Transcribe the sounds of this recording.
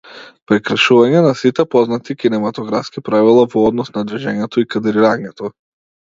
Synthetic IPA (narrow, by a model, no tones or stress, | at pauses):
pɾɛkɾaʃuvaɲɛnasit̪ɛpɔznat̪ikinɛmat̪ɔɡɾafskipɾavilˠavɔɔd̪nɔsnad̪ɾiʒɛɲɛt̪ɔikad̪ɾiɾaɲɛt̪ʰɔ